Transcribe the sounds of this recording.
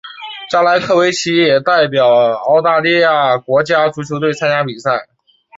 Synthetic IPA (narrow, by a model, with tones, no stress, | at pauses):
t͡ɕa˥la˧˥ɪkʰɤ˥˩we˧˥ɪt͡ɕʰi˧˥jɛ˨˩t̪a˥˩ɪpjɑ˨˩ʊɑ˥˧ʊt̪a˥˧li˥˧ja˥˩kwɔ˧˥t͡ɕja˥ʈ͡ʂu˧˥t͡ɕʰjo˧˥ʊt̪we˥˩ɪt͡sʰa˥nja˥pi˨˩sa˥˩ɪ